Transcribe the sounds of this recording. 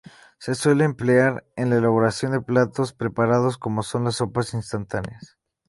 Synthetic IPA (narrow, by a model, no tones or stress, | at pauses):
se̞swe̞leːmpleaɾenlaelaβo̞ɾasjo̞nd̪e̞plat̪o̞spɾe̞paɾað̞o̞sko̞mo̞so̞nlaso̞pasinst̪ant̪aneas